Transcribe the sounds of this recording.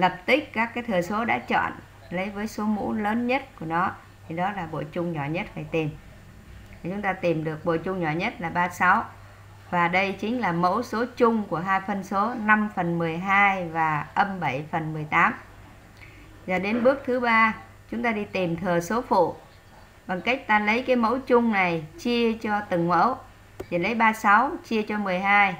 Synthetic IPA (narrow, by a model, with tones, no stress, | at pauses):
lə˨˩p̚t̪ï˦˥k̚kaː˦˥kːaː˨˦jt̪ʰɨː˨˩əso˨˦ɗa̰ː˧˥t͡ɕɔ̰˧˨n | lə˨˦jvəː˨˦jso˨˦mṵ˧˥ləː˨˦nɲə˦˥t̚ku˧˩ənɔ˨˦ | t̪ʰi˨˩ɗɔ˨˦laː˨˩ɓo̰˧˨t͡ɕʊ˧ŋ͡mɲɔ˧˩ɲə˦˥t̚faː˨˩jt̪i˨˩m˨˩ | t͡ɕʊ˨˦ŋ͡mt̪aː˧t̪i˨˩mɗɨ˨˩ək̚ɓo̰˧˨t͡ɕʊ˧ŋ͡mɲɔ˧˩ɲə˦˥t̚laː˨˩ɓaː˧sa˨˦w | vaː˨˩ɗə˧jt͡ɕï˨˦ŋ̟laː˨˩mə̰˧˥wso˨˦t͡ɕʊ˧ŋ͡mku˧˩əɦaː˧jfə˨˩nso˨˦na˧mfə˨˩nmɨ˨˩əjɦaː˧jvaː˨˩ʔə˧mɓə˧˩jfə˨˩nmɨ˨˩əjt̪aː˨˦m | zaː˨˩ɗe˨˦nɓɨ˦˥ək̚t̪ʰɨ˨˦ɓaː˧ | t͡ɕʊ˨˦ŋ͡mt̪aː˧ɗi˧t̪i˨˩mt̪ʰɨ˨˩əso˨˦fṵ˧˨ | ɓa˨˩ŋka˦˥jk̟̚t̪aː˧lə˨˦jkaː˨˦jmo̰˧˥wt͡ɕʊ˧ŋ͡mna˨˩jt͡ɕi˧ət͡ɕɔ˧t̪ɨ˧˩ŋmə̰˧˥w | i˨˩lə˨˦jɓaː˧sa˨˦wt͡ɕi˧ət͡ɕɔ˧mɨ˨˩əjɦaː˧j